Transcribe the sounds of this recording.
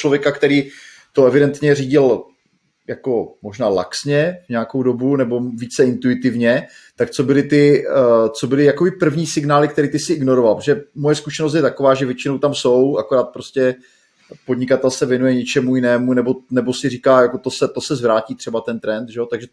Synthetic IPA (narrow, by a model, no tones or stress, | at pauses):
t͡ʃlo̞vjɛkakt̪ɛɾiː | t̪oɛvɪdɛnt̪ɲɛriːɟɪl | jako̞mo̞ʒnaːla̰ksɲɛvɲɛako̞wdo̞bunɛbo̞viːt͡sɛɪnt̪uɪt̪ɪvɲɛ | t̪akt͡so̞bɪlɪt̪ɪt͡so̞bɪlɪjakobɪpr̩vɲiːsɪɡnaːlɪkt̪ɛɾiːt̪ɪsɪʔɪɡno̞ɾovalpɾo̥ʒɛmojɛskuʃɛnos̬t̪jɛt̪ako̞vaːʒɛvjɛt͡ʃɪnowt̪amso̞wakoɾaːt̪̚pɾoscɛ | po̞d̪ɲɪkat̪ɛlsɛvjɛnujɛɲɛt͡ʃɛmujɪnɛːmunɛbo̞nɛbo̞sɪriːkaːjako̞t̪osɛt̪o̞sɛzvɾaːciːt̪r̥ɛbat̪ɛnt̪ɾɛnt̪ʒɛjot̪aɡʒɛ